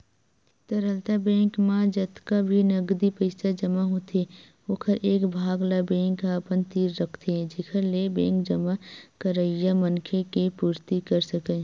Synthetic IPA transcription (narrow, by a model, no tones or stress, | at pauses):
t̪əɾəlt̪abɛ̃ːŋkmãd͡ʒət̪kabʱinɐɡd̪ipəɪsad͡ʒəmaɦot̪e | okʰəɾʔeːkbʱaːɡlabɛ̃ːŋkːaəpənt̪iːɾːəkʰt̪eɦɛ̃d͡ʒeːkʰəɾlebɛ̃ːŋkd͡ʒəmakəɾəjamənkʰekepuːɾt̪ikəɾsəkẽː